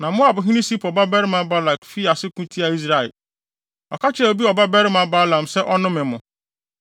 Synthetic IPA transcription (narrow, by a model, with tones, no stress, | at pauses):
nã˨mʊ̃˦a˨bʊ˨ɦĩ˦nɪ̃˦si˦pɔ˨ba˦bɛ˦ɾɪ˦mã˦ba˦la˨kfi˦˨a˨sɪ˦kũ˦tʰi˦a˨i˦s̬ɾa˨ɛ̰˨ | ɔ̰˨kʰa˦t͡ɕʰɪ˦ɛ˨o˨bi˦ɔ˨ba˦bɛ˦ɾɪ˦mã˨ba˦lã˨msɛ˦ʔɔ˦nʊ̃˦mɪ̃˨mʊ̃˨